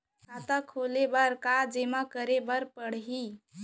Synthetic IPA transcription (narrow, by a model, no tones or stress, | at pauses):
kat̪əkʰolebəɾkad͡ʒemakəɾebəɾpəɽ̤ɦi